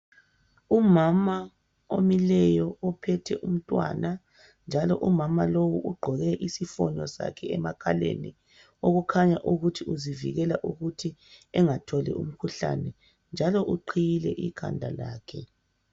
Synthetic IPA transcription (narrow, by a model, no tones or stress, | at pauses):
umama | omilɛjɔɔpʰɛtʰɛ̰ʔum̩tʼwa̰na | nd͡ʒʱalɔʔumamalowuʔuɡ͡ǃʱɔɣɛʔisifɔnɔsa̰kʰɛɛmakʰalḛni | oɣukʰaɲaʔuɣutʰiʔuzivḭɣɛlaʔuɣutʰiɛŋatʰɔlɛ̰ʔṵm̩kʰuɬa̰nɛ | nd͡ʒʱalɔʔuǃʰijilɛʔikʰa̰ndʱala̰ːkʰɛ